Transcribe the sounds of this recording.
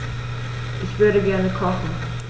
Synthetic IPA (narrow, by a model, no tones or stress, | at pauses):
ʔɪçv̥ʏɐɾəɡɛɐnəkʰɔχn̩